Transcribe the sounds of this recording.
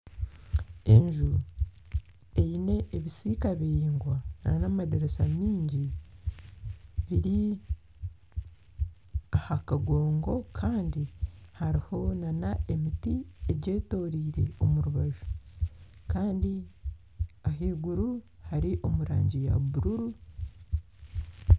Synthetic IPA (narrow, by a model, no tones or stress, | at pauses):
e̞ɲʒu | e̞ine̞ʔːβisikaβiɾiːŋɡwananamadeɾesamiːɲɟi | βiɾi | ahakaɡo̞ːŋɡo̞kʰaːndihaɾiho̞nanaʔe̞mitie̞ɟe̞ːto̞ːɾiːɾe̞̰o̞muɾuβaʒu̥ | kaːndi | aɦiːɡuɾu | haɾiʔo̞muɾaːɲɟija̰βuɾuɾu